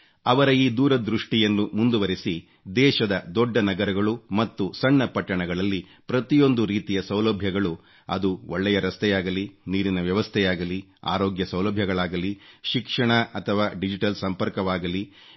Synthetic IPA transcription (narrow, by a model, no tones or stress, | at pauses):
ɐʋɐɾɐiːd̪uːɾɐd̪ɾuʂʈijɐnːumund̪uʋɐɾisi | d̪ɛːʃɐd̪ɐd̪ɔɖːɐnɐɡɐɾɐɡɐɭumɐt̪ːusɐɳːɐpɐʈːɐɳɐɡɐɭɐlːi | pɾɐt̪ijo̞nd̪uɾiːt̪ijɐsɐwlɐbʱjɐɡɐɭu | ɐ̰d̪uɔɭːɛjɐɾɐst̪ʰɛjaːɡɐliniːɾinɐʋjɐʋɐst̪ʰɛjaːɡɐlia̰ːɾoːɡjɐsɐwlɐbʱjɐɡɐɭaːɡɐliʃikʂɐɳɐʔɐt̪ʰɐʋaːɖid͡ʒiʈɐlsɐmpɐɾkɐʋaːɡɐli